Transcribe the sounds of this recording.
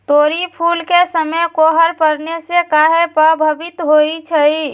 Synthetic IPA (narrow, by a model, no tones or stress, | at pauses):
t̪oɾipʰulkesəməjkoɦəɾpəɾnesekaɦepəbʱəbit̪ɦoit͡ʃʰəi